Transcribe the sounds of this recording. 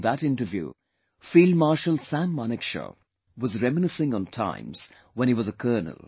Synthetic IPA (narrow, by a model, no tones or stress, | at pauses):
ðəɾɪ̃ntəvjṵ | fiːlmaɹʃəlˠsæ̃nmɑnɨkʃə̰ | wʌzɹɛmənɨsɪ̃ŋə̃ntʰã̰ɪ̃mz̥ | wɛ̃niwʌzəkʰɜːnə̰lˠ